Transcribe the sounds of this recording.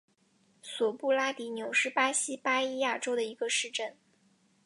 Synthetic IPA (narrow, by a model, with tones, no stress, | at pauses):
swɔ˨˩pu˥˩la˥t̪i˧˥njo˨˩ʊʂɻ̩˥˩pa˥ɕi˥pa˥i˥ja˥˩ʈ͡ʂo˥ʊd̪ə˨i˧˥ɡə˧ʂɻ̩˥˧ʈ͡ʂə˥˩n